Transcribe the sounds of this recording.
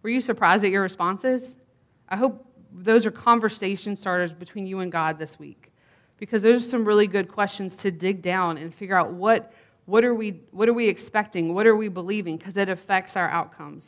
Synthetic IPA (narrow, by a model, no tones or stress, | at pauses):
wə˞jɨsə˞pʰɹ̥aɪzdɨt͡ʃə˞ɹɨspɑ̃nsɪz̥ | ʔaɪɦoʊp̚ | ðoʊzə˞kʰɑ̃ɱvə˞seɪʃɨ̃n̩stɑɹɾə˞zbɨtʰw̥ĩnjɨɨ̃nɡɑd̪̚ðɪswḭk | b̥ɨkʰʌzðə˞ʌzsʌ̃mɹɪlˠiɡʊd̚kʰw̥ɛst͡ʃɨ̃n̩z̥tʰɨdɪɡ̚dãʊ̃nɨ̃nfɪɡjə˞aʊt̚wʌt̚ | wʌɾə˞wiwʌɾə˞wiɨkspɛk̚tɪ̃ŋwʌɾə˞wibəlivɪ̃ŋkʰʌzɨɾɨfɛk̚tsaʊə˞ʔa̰ʊt̚kʰʌ̃mz̥